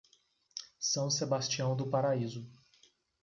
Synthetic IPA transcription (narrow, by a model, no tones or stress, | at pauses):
sɐ̃w̃sebast͡ʃiɐ̃w̃d̪ʊpaɾaizʊ